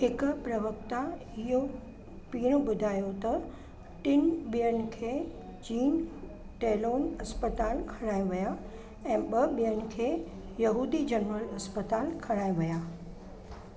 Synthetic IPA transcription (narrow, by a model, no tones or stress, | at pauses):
ɦɪkʊ̆pɾɐʋək̚t̪a | ɪɦo | piːɽ̃ʊ̆ɓʊd̪ʱaːjot̪ɐ | ʈɪnɓijəñɪ̆kʰeːt͡ɕiːn | ʈeːloːnɐspət̪aːlkʰɐɽ̃aːiʋija | ɛ̃ːɓɐbɓijənɪ̆kʰeː | jɐɦuːd̪id͡ʑɐnɾəlɐspət̪aːlkʰɐɽ̃aːiʋɐjaː